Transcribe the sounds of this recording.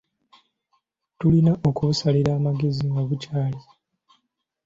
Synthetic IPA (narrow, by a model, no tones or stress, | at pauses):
tulinaʔo̞kuβusaliɾaːmaɡe̞ziŋɡaβucaːli